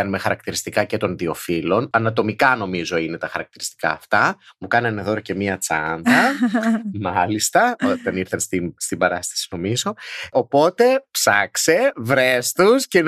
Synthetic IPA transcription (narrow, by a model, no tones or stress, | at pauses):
ɐnume̞xɐɾɐkt̪iɾist̪ikɐce̞t̪o̞nðio̞filo̞nɐnɐt̪o̞mikɐno̞mizo̞ine̞t̪ɐxɐɾɐk̚t̪iɾist̪ikɐ̰ːft̪ɐmukɐnɐneðo̞ɾɐce̞miɐt͡sɐ̰nd̪ɐ | mɐlist̪ɐot̪ɐniɾθɐnst̪inst̪ibɐɾɐst̪ɐ̥si̥no̞mizo̞opo̞t̪e̞psɐkse̞vɾest̪usce